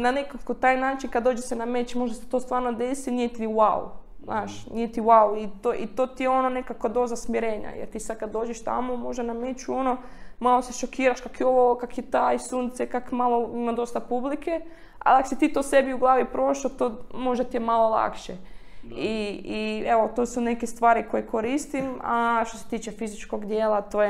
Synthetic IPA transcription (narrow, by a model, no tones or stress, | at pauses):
nanekakot̪aːjnaːt͡ʃinkad̪d̪oːd͡ʒesename̞t͡ʃmoʒd̪aset̪o̞ːst̪ʋaːɾnod̪e̞sinijet̪iiwa̰wṵznʔaːʃnijet̪iwawit̪oʔit̪oːt̪ijeo̞none̞kakod̪o̞zasmiɾeːɲa̰jḛɾt̪iːsad̪̚kad̪̚ːo̞ːd͡ʒeʃt̪a̰momo̞ʒd̪aname̞t͡ʃuo̞nomalo̞seʃokʰiːɾaʃkakjeoʋokakjet̪aisuːnt̪sekakmalo̞imad̪o̞st̪apublikʰe | a̰liakosit̪iːt̪ose̞biuɡlˠaːʋipɾo̞ʃot̪oːmo̞ʒd̪at̪ijemalo̞lˠa̰kʃeiieʋot̪o̞sune̞kest̪ʋaːɾiko̞jekʰoɾiːst̪ima̰ʃt̪ose̞̥t̪iːt͡ʃe̞fizit͡ʃkoɡd̪jeːlat̪oje